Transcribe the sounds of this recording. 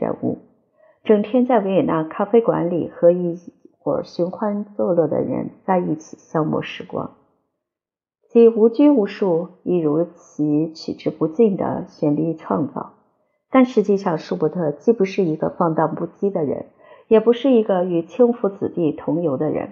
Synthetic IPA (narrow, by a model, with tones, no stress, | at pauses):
ɻə̰˧˥nṵ˥˩ | ʈ͡ʂɤ˨˩ŋt̪ʰjɛ˥nt͡sa˥˩ɪwe˧˥ɪɛ˨˩na˥˩kʰa˥fe˥ɪkwa̰˧˥nlḭ˨˩xɤ˧˥i˥˩xwɔ̰˥˩ɕy˧˥nkʰwa˥nt͡sɤ˥˧lɤ˥˩d̪ə̰˩ɻə̰˧˥nt͡sa˥˧ɪi˥˩t͡ɕʰi˨˩ɕjɑ˥ʊmɔ̰˥˩ʂɻ̩˧˥kwa̰˥ŋ | t͡ɕi˧˥u˧˥t͡ɕy˥u˧˥ʂu˥˩i˥˩ɻu˧˥t͡ɕʰi˧˥t͡ɕʰy̰˨˩ʈ͡ʂɻ̩˥˩pu˧˥t͡ɕi˥˩ŋd̪ə̰˩ɕɥɛ˧˥˩nli˧˥˧ʈ͡ʂʰwɑ˥˧ŋt͡sɑ̰˥˩ʊ | t̪a˥˩˧nʂɻ̩˧˥t͡ɕi˥˧ʂɑ˥˧ŋʂu˥˩pu˥˩t̪ʰɤ˥˧t͡ɕi˥˩pu˧˥ʂɻ̩˥˩i˧˥ɡə̰˧fɑ˥˧ŋt̪ɑ˥˧ŋpu˥˩t͡ɕi˥d̪ə˨ɻə̰˧˥n | jɛ˨˩pu˧˥ʂɻ̩˥˩i˧˥ɡə˥˧y˧˥t͡ɕʰji˥ŋfu˧˥t͡sɹ̩˨˩t̪i˥˩t̪ʰʊ˧˥ŋjo˧˥ʊd̪ə˧ɻə̰˧˥n